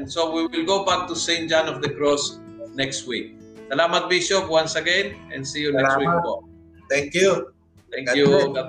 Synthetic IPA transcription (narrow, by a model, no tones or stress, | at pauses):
nsowiwɪlɡobak̚t̪usẽɪnt̪̚d͡ʒãnɔfd̪əkɾɔsnɛkst̪wik̚sɐlaːmɐt̪̚biʃopwãnsɐɡɛ̃nɛ̰̃nsijunɛkːwifo̰ | t̪ɛ̃ŋkju | t̪ɛ̃ŋjuɡa